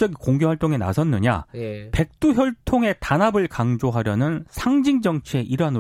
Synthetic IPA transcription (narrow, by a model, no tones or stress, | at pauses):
t͡ɕʌɡikoŋɡohwaɭt͈oŋe̞na̰sʰʌnːɯɲa̰pe̞k̚t͈uçjʌɭtʰoŋe̞tanɦabɯɭkaŋd͡ʑoɦaɾjʌnɯnsʰaŋd͡ʑiŋd͡ʑʌŋt͡ɕʰieʔiɾan